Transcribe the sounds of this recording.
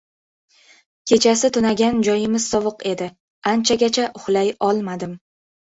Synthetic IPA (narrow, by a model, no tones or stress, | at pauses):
kʲʰe̞t͡ʃʰasɪt̪ʰʊnaɡʲand͡ʒɒjɪmɪz̥sɒvɨqe̞d̪ɪ | ant͡ʃʰaɡʲat͡ʃʰaʔʊχlˠajɒlˠmad̪ɪm